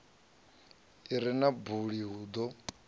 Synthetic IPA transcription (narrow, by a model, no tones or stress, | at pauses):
iɾinabuɺiɦuːd̪ɔ